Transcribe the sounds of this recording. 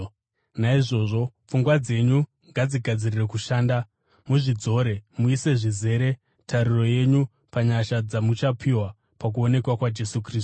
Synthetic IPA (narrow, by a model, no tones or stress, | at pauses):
naiʐo̞ːʐo̞p͡fuŋɡwad͡ze̞ɲu | ŋɡad͡ziɡʱad͡zirire̞kuʃaːnda | muʐid͡zo̞ɾe̞muise̞ʐize̞ːɾe̞ | tʰaɾiro̞je̞ɲu | paɲaʃad͡zamut͡ʃapʰiwa | pak̬uo̞ne̞kwakwad͡ʒe̞sukriːst